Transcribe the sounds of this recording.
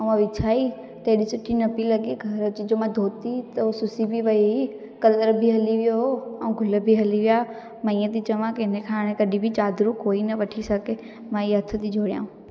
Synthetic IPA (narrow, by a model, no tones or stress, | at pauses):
ɐ̃ãʋɪt͡ʃʰaːi | t̪ɐːɗisʊʈʰinɐpilɐɡeɡʱɐɾət͡ʃid͡ʒomãd̪ʱoːt̪it̪ɐosʊsibʱiʋɐiɦi | kɐləɾbʱiɦɐliʋɪjoɦoɐũɡʱʊləbʱiɦɐliʋija | mɐ̃ĩːət̪it͡ɕɐʋãkeɪnəkʰaːɽ̃ẽkɐɗibʱit͡ɕaːd̪ɾukoːinɐʋɐʈʰisɐɡe | mãiɦɐt̪ʰət̪id͡ʒʱoːɽija̰ːũ